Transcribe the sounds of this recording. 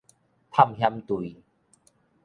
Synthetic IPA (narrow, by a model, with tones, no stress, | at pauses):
t̪ʰa˥˨mhja˦mt̪wu˨